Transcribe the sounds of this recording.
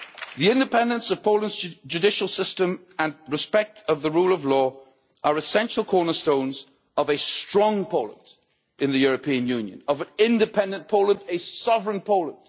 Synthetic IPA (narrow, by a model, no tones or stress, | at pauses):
ðiɪ̃ndɨpʰɛ̃ndə̃nsʌv̥pʰoʊlˠə̃nzd͡ʒʉdɪʃl̩ˠsɪstə̃m | ə̃nɹɨspɛk̚tʰʌvðəɹuːlˠʌvlɔː | ʔə˞ɨsɛ̃nʃəl̩ˠkʰɔɹnə˞stõʊ̃nz | ʌvɨstɹ̥ɔ̃ŋpʰoʊlˠə̰̃nd | ɨ̃nðɨjʊɹəpʰĩɨ̃njʉ̃njɨ̰̃nʌvə̃nɪ̃ndɨpʰɛ̃ndɨ̃npʰoʊlˠə̃ndɨsɑvəɹə̃npʰoʊlˠə̃nd̥